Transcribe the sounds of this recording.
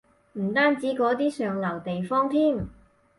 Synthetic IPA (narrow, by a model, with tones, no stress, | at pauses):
m̩˨˩t̪aː˥nt͡siː˨˥kɔː˨˥t̪iː˥sœː˨ŋlɐ˨˩wt̪e˨jfɔː˥ŋt̪ʰiː˥˩m